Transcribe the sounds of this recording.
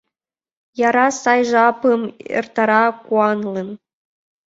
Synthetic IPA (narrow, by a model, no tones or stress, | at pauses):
jɑɾɑsɑjʐ̆ɑpɯmḛrt̪ɑɾɑkuɑnlˠɤn